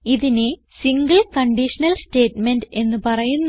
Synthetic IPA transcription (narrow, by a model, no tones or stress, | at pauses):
iðine | siŋɡɐlkɐɳɖiʂɐnɐlsʈe̞ːʈme̞nɖɨe̞nːɨpɐrɐjunː